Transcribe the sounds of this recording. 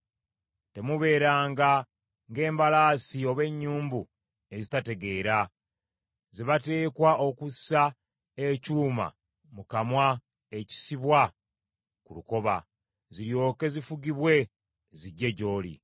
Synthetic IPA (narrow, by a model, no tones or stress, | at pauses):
te̞muβe̞ːɾaːŋɡa | ŋɡe̞ːmbalaːsio̞βe̞ɲːuːmbu | e̞zitate̞ɡe̞ːɾa | zeβate̞ːkwaʔo̞kusa | ecuːma̰ | mukamwa | e̞ci̥siβwa | kuluko̞βa̰ | ziɾjo̞ːke̞zifuɡiβwe̞ | ziɟːe̞ɟo̞ːlḭ